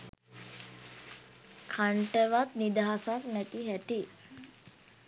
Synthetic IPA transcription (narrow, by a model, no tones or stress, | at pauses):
kʰaɳʈəʋat̪nid̪aɦasak̪næt̪iɦæʈi